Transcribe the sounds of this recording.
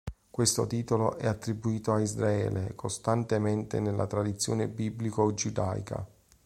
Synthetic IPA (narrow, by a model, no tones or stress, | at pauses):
kwest̪ot̪iːt̪oloʔɛat̪ːɾibuiːt̪oaizɾaɛ̰ːlʔekʰost̪ant̪ement̪ḛnelːʔa̰t̪ɾad̪it̪sːjoːnebiblikoed͡ʒud̪a̰j̰kʰa̰